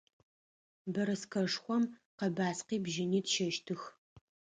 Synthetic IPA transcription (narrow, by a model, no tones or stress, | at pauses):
bɐɾɨskʰɐʂxʷɔmqɐbaːsqiːbʒɪniːtʃɐʃtʰɨx